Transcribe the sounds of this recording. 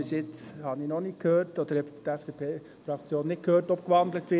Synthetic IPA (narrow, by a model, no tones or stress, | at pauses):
ɪsɪt͡shɑninɔnɪkʰhøːtɔd̥̪əɾhɛbt̪æfd̥epʰeː | fɾɑkt͡sjoːnːɪt̚kʰhøːrtɔpkʋɑnd̪lətʋɪ